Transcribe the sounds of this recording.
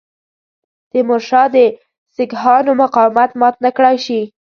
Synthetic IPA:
d̪̥əmʊʃɑd̪ə | sɪɡɦɑnomʊqɑwmat̪mɑt̪nakɽɑjʃi

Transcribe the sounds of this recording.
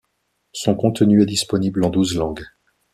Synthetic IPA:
sɔ̃kɔ̃t̪ənyɛd̪ispɔniblɑ̃d̪uzlɑ̃ɡ

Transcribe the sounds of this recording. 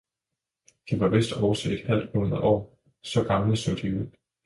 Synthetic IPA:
d̥iʋɑ̈ʋe̝sd̥ɒʊɐsḛed̥hæl̰d̥munðɐʔɒ̰ː | sɒ̽ɡ̥ɑ̈mləsod̥iuðˠ

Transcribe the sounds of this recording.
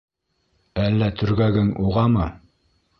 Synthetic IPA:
ælːæt̪ʰɵ̆ɾɡæɡɘŋuʁɑmɤ

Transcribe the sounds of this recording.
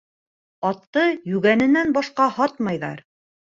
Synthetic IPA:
ɑt̪ːɤjʉɣænɘ̆nænbɑʃqɑhɑt̪̚mɑjðɑ̰ɾ

